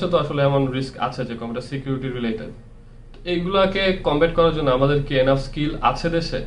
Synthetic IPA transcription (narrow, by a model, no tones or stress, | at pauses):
et̪oaʃoleɛmonɾiska̰t͡ɕʰed͡ʑekɔmbeʈaɾsikjuɾiʈiɾɾileʈeɖ | ejɡulakekɔmbeʈ̚kɔɾaɾd͡ʑonːoamad̪eɾkienafskila̰t͡ɕʰed̪eʃe